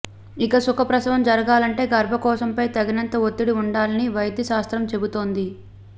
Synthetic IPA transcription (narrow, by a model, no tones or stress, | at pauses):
ikɐsukʰɐpɾɐsɐʋɐmd͡ʒɐɾɐɡaːlɐɳʈe̞ːɡɐɾbʱɐkɔːsɐmpɐjt̪ɐɡinɐnt̪ɐot̪ːiɽiuɳɖaːlɐniʋɐjd̪jɐʃaːst̪ɾɐmt͡ʃe̞but̪o̞ːnd̪i